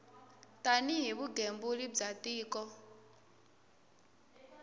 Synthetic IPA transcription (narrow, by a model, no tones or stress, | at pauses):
tʼaniɦiβuɡembulib͡ʐatʼiːkʼɔ